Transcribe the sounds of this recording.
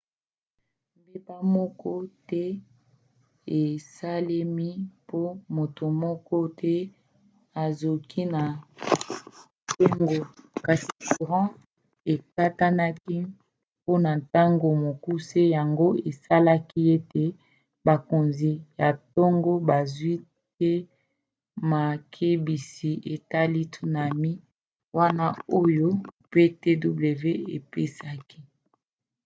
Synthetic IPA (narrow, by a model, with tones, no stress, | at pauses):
m˨be˦pa˦mɔ˦kɔ˦tɛ˦ | e˨sa˦le˦mi˦po˦mo˨to˨mɔ˦kɔ˦tʰɛ˦ | a˨zo˨kʰi˦na˨ | to˦ŋɡo˦ka˨si̥˨ku˨ʁɑ̃˦ | e˨ka˦ta˦na˦ki˦ | po˦na˨ta˦ŋɡo˨mo˨ku˦se˦ja˨ŋɡo˦e˨sa˦la˦ki˦e˦te˨ | ba˨ko˨nzi˨ja˨to˦ŋɡo˦ba˨zwi˦ | te˦ | ma˨kʰe˦bi˨si˨e˨ta˦li˦tʰu˦na˨mi˦ | wa˦na˦o˦jo˦pe˦te˦du˦ble˨ve˦e˨pe˦sa˦ki˦